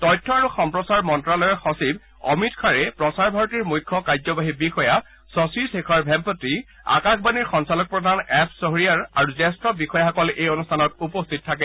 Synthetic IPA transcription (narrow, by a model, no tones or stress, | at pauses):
tɔjtʰːɔaɹuxɔmpɹɔsaɹmɔntɹalɔjɔɹxɔsib | ɔ̰mitkʰaɹɛpɹɔsaɹbʱaɹɔtiɹmujkʰːɔkajzɔbaɦibixɔja | sɔsisekʰɔɹbʱɛmpɔtɹi | a̰kaxbaniɹxɔnsalɔk̚pɹɔdʱanɛpʰsɔɦɹijaɹa̰ɹuzɛstɹɔbixɔjaɔkɔlʔejɔnustʰanɔtupɔstʰit̚tʰːakɛ